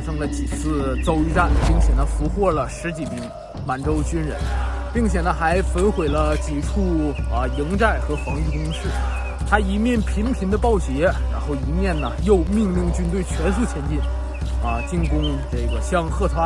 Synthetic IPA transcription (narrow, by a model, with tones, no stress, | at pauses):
a˥ʂɤ˥ŋlə˨t͡ɕi˨˩t͡sʰɹ̩˥˧t͡so˥ʊi˧˥˧ʈ͡ʂa˥˩nə˩pi˥˩ŋt͡ɕʰjɛ˨˩nə˦fu˧˥xwɔ˥˩lə˩ʂɻ̩˧˥t͡ɕi˨˩mi˧˥ŋ | ma˨˩nʈ͡ʂo˥ʊt͡ɕy˥nɻə̰˧˥npi˥˩ŋt͡ɕʰjɛ˨˩nə˦xa˧˥ɪfə˧˥nxwe˨˩ɪlə˦t͡ɕi˨˩ʈ͡ʂʰu˥˩ə˧i˧˥ŋʈ͡ʂa˥˩ɪxɤ˧˥fɑ˧˥ŋy˥˩kʊ˥ŋʂɻ̩˥˩ | t̪ʰa˥i˧˥mjɛ˥˩npʰi˧˥ŋpʰi˧˥ŋd̪ə˧pɑ˥˩ʊt͡ɕjɛ˧˥ɻa̰˧˥nxo˥˩ʊi˧˥mjɛ˥˩nnə˩jo˥˧ʊmi˥˧ŋli˥˧ŋt͡ɕy˥nt̪̬we˥˩ɪt͡ɕʰɥɛ˧˥nsu˥˩t͡ɕʰjɛ˧˥nt͡ɕi˥˩n | ə˧t͡ɕi˥˩ŋkʊ˥ŋʈ͡ʂɤ˥˩ɡə˩ɕjɑ˥ŋxɤ˥˩t̪ʰwa˥